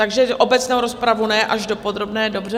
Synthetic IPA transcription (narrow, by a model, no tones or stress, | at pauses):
t̪aɡʒɛʔʔo̞bɛt͡snowɾo̞spɾavunɛjɛʔaʒdo̞po̞d̪ɾo̞bnɛːdo̞br̝ɛ